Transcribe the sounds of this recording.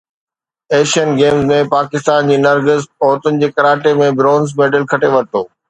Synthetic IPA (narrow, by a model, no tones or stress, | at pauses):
eːʃiənɡeːmzmẽpaːkɪst̪aːnd͡ʑiːnɐɾɡəzɔːɾt̪ʊnɪ̆d͡ʑeːkɐɾaːʈemẽbɾɔ̃ːnzmeːɖəlkʰɐʈeʋɐɾt̪oː